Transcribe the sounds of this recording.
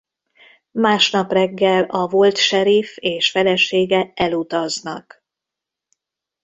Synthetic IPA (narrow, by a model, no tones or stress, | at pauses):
maːʃnɒprɛɡːɛlɒvolt̪ʃɛɾifeːʃfɛlɛʃeːɡɛɛlut̪ɒznɒk